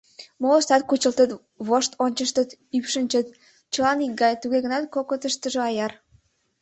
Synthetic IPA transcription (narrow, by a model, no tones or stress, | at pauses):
moost̪ɑt̪kut͡ɕə̆lt̪ət̪ | βoʃt̪ʰonʲt͡ɕəʃt̪ət̪ypʃənʲt͡ɕət̪̚ | t͡ɕə̆lɑnik̚ɡɑjt̪uɣeɣənɑt̪̚kokot̪əʃt̪əʒoɑjɑr